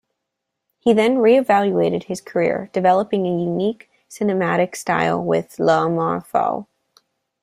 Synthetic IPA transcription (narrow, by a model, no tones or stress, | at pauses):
hiðɨ̃nɹiɨvælˠjueɪɾɨd̚ɨz̥kʰə˞ɪ̰ɹd̥ɨvɛlˠəpɪ̃ŋɨjʉnik | sɨnɨmæɾɨksta̰ɪlˠwɪ̰ð̥lɑmɑ̰ɹfɔ̰lˠ